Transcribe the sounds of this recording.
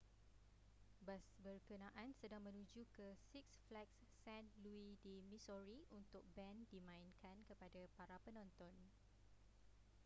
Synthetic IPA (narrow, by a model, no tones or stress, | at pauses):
basbərkənãʔãnsədaŋmə̃nũd͡ʒukəsiksflɛksːɛ̃nluidimĩsɔɹiunt̪ʊk̚bɛ̃ndimãinkʰankəpadapaɾapənɔ̃nt̪ɔn